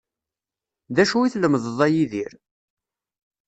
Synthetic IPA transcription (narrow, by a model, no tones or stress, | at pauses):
ðæʃuiθləmðəðˤæjiðiɾ